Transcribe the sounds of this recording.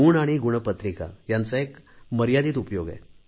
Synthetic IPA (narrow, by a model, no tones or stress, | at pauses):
uɳaɽ̃iɡuɽ̃əpət̪ɾika̰jant͡saekməɾjad̪iːt̪upjoɡɛ̰